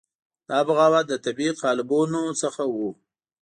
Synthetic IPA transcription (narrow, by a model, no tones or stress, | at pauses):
d̪̥ɑbaɣɑwad̪ət̪abiqɑlɪbonosəxawu